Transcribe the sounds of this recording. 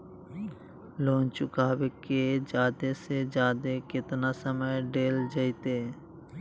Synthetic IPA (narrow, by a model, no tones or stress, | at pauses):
loːnt͡ʃʊkaːbeked͡ʒjaːd̪esed͡ʒjaːd̪ekɪt̪nasəməjɖeːld͡ʒəjt̪eː